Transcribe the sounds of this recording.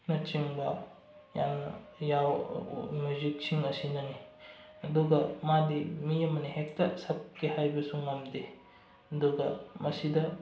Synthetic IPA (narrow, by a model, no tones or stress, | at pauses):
nɐt͡ʃiŋbɐ | ja̰nnɐ̰ | jawmjuzik̚siŋɐsinɐni | ɐduɡɐmadimiɐmɐniɦek̚taɾsɐp̚kehajbɐsuŋːɐmde | ɐduɡɐmɐsidɐ